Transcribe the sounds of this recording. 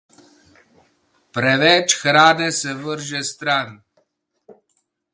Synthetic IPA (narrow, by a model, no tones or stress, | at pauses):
pɾɛvɛt͡ʃxɾad̪esɛvəɾʒest̪ɾan